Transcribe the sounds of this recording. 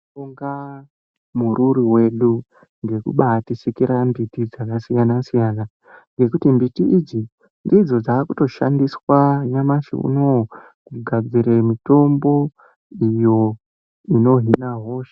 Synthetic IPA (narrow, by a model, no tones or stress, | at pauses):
uŋɡa | muɾuɾiwe̞ɗu | ŋɡe̞kṵɓatisikiɾambitid͡zakasijanasijaːna | ŋɡe̞kutimbitiʔid͡zi | ndid͡zo̞d͡zaːkuto̞ʃa̰ndiswaɲamaʃḭṵno̞ | kuɡʱad͡ziɾemito̞mbo̞ | ijo̞ | ino̞ɦinaɦoʃe̥